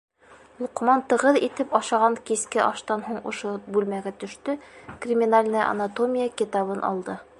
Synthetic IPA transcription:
lˠuqmɑnt̪ɤ̆ʁɤðit̪ɘpɑʃɑʁɑŋkiskɘʔɒʃt̪ɑnɦuɴŏʃobʉlmæɡæt̪ɵ̆ʃt̪ɵkrʲɪmʲinalʲnɤjʔɐ̰nat̪omʲijəkit̪ɑβɤnʔɒ̰lˠd̪ɤ

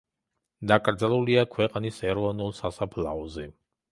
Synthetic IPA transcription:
d̪akʼɾd̪zalˠuliakʰwɛqʼnisɛɾɔnulˠsasapʰla̰ɔzɛ

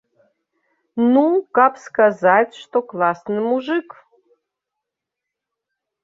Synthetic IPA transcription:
nukapskazatʲʂt̪oklˠasnɨmuʐɨk

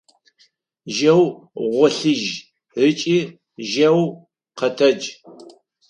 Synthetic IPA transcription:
ʒɐwʁʷɔɬɨʒ | rɨt͡ʃʼiː | ʒɐw | qɐtʰɐd͡ʒ

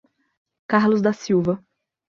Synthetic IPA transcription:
kaɾlʊzd̪ɐsiwvɐ

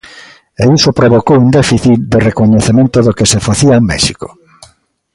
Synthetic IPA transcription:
eisopɾoβokowund̪ɛfiθit̪d̪erekoɲeθemẽnt̪oðokesefaθiamɛ̰ʃiko̥̰

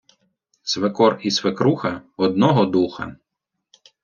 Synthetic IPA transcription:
sʋekɔrisʋekɾuxɐɔd̪̚nɔɦɔd̪uxɐ̰

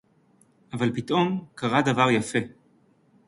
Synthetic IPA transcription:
ʔavalpit̪ʔo̞mkaʁadavaʁjafe̞

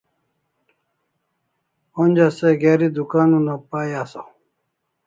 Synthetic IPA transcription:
onʲd͡ʑaseɡeːɾid̪ukaːnunapaːjaːso̰

